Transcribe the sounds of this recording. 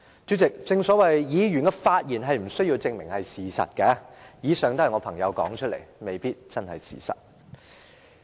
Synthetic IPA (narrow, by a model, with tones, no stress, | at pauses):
t͡ʃy˨˥t͡sɪ˨k̚t͡sɪ˧ŋsɔː˨˥wɐ˨jjiː˨˧ɥy˨˩nkɛː˧faː˧t̚jiː˨˩nɦɐ˨jm̩˨˩sɵ˥ɥji˧wt͡sɪ˧ŋmɪ˨˩ŋhɐ˨jsiː˨˩sɐ̰˨t̚kɛ˧jiː˨˥sœː˨˧ŋt̪ɐ˥˨˩jŋɔː˨˧pʰɐ˨˩ŋjɐ˨˧wkɔ̰ː˨˥ŋt͡ʃʰɵ˥t̚lḛ˨˩jme˨jpiː˥t̚t͡sɐ˥nhɐ˨jsḭː˨˩sɐ̰˨t̚